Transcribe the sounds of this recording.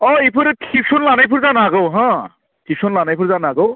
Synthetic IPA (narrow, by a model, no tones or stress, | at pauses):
ɔipʰɯɾtʰip̚sonlanajpʰuɾzanaɡowɦã | tʰip̚sonlanajpʰuɾzanaɡow